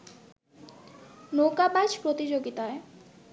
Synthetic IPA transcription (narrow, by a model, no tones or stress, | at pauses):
nokabajd͡ʑpɾot̪id͡ʑoɡit̪ae